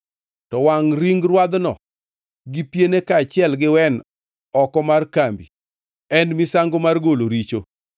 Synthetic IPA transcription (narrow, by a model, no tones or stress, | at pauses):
tɔwaŋɾiŋɡrwad̪nɔ̰ | ɡipjenekaːt͡ʃɪɛlɡɪwɛn | ɔkɔmarkambḭ | ɛnmisaŋɡomarɡoloɾit͡ʃo